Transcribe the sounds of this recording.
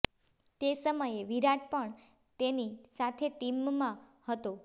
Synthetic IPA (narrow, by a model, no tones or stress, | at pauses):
t̪esəməjeʋiɾaʈ̚pəɳ | t̪enisat̪ʰeʈimːãhət̪o